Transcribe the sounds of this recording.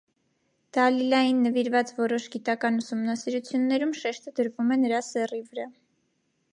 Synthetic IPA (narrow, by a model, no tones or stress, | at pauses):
d̪̥ɑlilɑjinːəviɾvɑt͡svɔɾɔʃɡit̪ɑkɑnusumnɑsiɾut͡sʰjunːɛɾumʃɛʃt̪əd̪əɾvumɛnəɾɑsɛrivəɾɑ